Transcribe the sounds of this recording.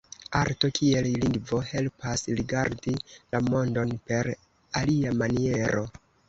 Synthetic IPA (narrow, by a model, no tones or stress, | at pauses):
aɾto̞kʰie̞lliŋɡvo̞he̞lpasɾiɡaɾdilamo̞ndo̞npe̞ɾ | aliamanie̞ɾo̞